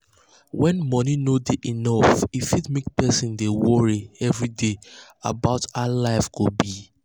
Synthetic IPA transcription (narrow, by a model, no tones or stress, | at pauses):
wɛ̃nmɔninodeʔinɔfifitmek̚pɛsĩndewɔɹiɛvɹidea̰baʊtalaɪfɡ̥obi